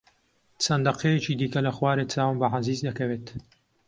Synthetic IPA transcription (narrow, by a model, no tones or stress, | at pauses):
sɐnd̪ɐqejɛt͡ʃiːd̪iːkɐlɐxwaːɾeːt͡saːwɨmbɐʕaziːzd̪ɐkɐveːt̪